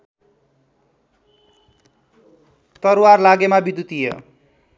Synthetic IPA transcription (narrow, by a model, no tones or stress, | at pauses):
t̪ʌrwarlaɡemabid̪ut̪ijʌ̰